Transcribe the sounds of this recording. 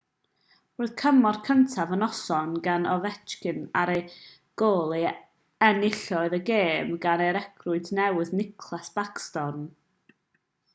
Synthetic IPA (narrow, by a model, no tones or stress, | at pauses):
roːɨð̥kʰəmɔrkʰəntʰavənɔsɔnɡanɔvɛt͡ʃkɨnaɾej | ɡ̥oːlˠi | ɛnɪɬɔɨðəɡeːmɡanejɾɛkʰrʊɨdʰnɛwɨðnɪkʰlˠasb̥akstɔrn